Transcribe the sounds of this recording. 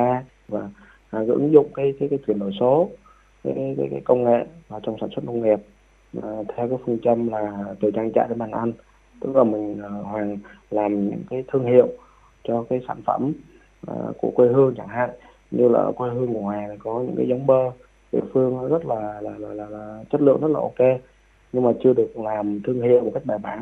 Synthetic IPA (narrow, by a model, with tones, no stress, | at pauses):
aː˧ | vaː˨˩˨ | ɣɨ̰˧˥ŋzʊ̰˧˨ŋ͡mkaː˨˦jkaː˨˦jkaː˨˦jt͡ɕwi˧˩ənɗo˧˩jso˨˦ | kaː˨˦kaː˨˦jkaː˨˦jkaː˨˦jkə˧wŋ͡mŋḛ˧˨vaː˨˩t͡ɕɔ˧wŋ͡msaː˧˩swə˦˥t̚nə˧wŋ͡mŋi˨˩əp̚ | vaː˨˩t̪ʰɛ˧wkaː˨˦jfɨ˧əŋt͡ɕə˧mlaː˨˩t̪ɨ˨˩t͡ɕaː˧ŋt͡ɕa̰ː˧˨jɗe˨˦nɓaː˨˩ŋʔa˧n | t̪ɨ̰˨˦˥zɔː˨˩mï˨˩ŋ̟ː˨˩hwaː˨˩ŋlaː˨˩mɲɨ̰˧˥ŋkaː˨˦jt̪ʰɨ˧əŋhḭ˧˨əw | t͡ɕɔ˧kaː˨˦jsaː˧˩nfə˧˩m | ʔku˧˩əkwe˧ɦɨ˧əŋt͡ɕa˧˩ŋɦa̰ː˧˨j | ɲɨ˧la̰ː˨˩kwe˧ɦɨ˧əŋku˧˩əŋwaː˨˩jt̪ʰi˨˩kɔ˨˦ɲɨ̰˧˥ŋkaː˨˦jzə˨˦wŋ͡mɓəː˧ | ɗḭ˧˨fɨ˧əŋnɔ˨˦zə˦˥t̚laː˨˩laː˨˩laː˨˩laː˨˩laː˨˩t͡ɕə˦˥t̚lɨ̰˧˨əŋzə˦˥t̚laː˨ʔo˧ke˧ | ɲɨ˧ŋmaː˨˩t͡ɕɨ˧əɗɨ˨˩ə˩k̚laː˨˩mt̪ʰɨ˧əŋɦi˧˨wm̚˨˩ka˦˥jk̚ɓaː˨˩jɓaː˨˦ŋ